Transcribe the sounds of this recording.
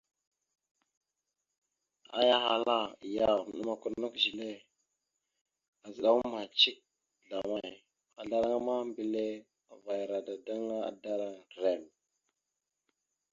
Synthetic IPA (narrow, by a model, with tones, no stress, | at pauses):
a̰˦ja˦ɦa˨la˦˨ja˨mə˨ɗu˨ma˨ku˨ɾnu˦kʒi˨le˦ | a˨zə˨ɗa˦ŋu˦ma˨t͡ʃi˦k̚ | ɮa˨ma˦˨j | a˨ɮa˦ɾa˦ŋa˦ma˦mbi˨le˦˨ | va˨jɾa˨da˨da˦ŋa˦a̰˨da˦ɾa˦˨ɾe˨m